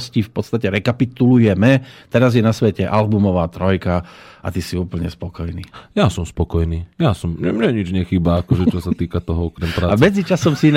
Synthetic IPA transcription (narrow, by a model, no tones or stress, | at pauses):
scifpɔt̪st̪acɛɾɛkapit̪ulujɛmɛt̪ɛɾazjɛnasʋɛcɛʔalbumɔʋaːt̪ɾɔjkaa̰t̪isiuːpl̩ɲɛ̰spɔkɔjniːjasɔmspɔkɔjniːjasɔmɲɛmɲɛɲid͡ʒɲɛxiːbaːkɔʒɛt͡ʃɔsat̪iːkat̪ɔɦɔɔkɾɛmpɾaːamɛd͡zit͡ʃasɔmsin